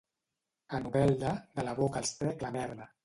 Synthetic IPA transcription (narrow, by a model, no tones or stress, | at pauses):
anuβɛlˠd̪əd̪əlaβokaːlˠst̪ɾɛklaβɛɾlə